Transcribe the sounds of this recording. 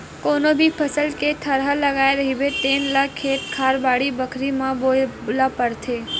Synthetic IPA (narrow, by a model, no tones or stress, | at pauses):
konobʱipʰəsəlket̪ʰəɾɦaləɡajɾəɦiʋeʈenlakʰeʈ̪kʰaɾbaɽibəkʰɾimãbolapəɾt̪ʰe